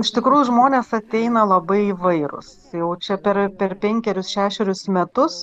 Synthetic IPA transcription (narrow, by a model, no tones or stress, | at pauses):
ɪʃt̪ʲɪkɾuːjʊʒmoːnʲeːsɐt̪ʲɛɪnɐlˠɐbɐɪiʋɐɪɾʊ̰s | jɛʊt͡ʃʲɛpʲɛɾpʲɛrpʲɛŋʲkʲɛɾʲʊsʃʲæːʃʲɛɾʲʊsmʲɛt̪ʊs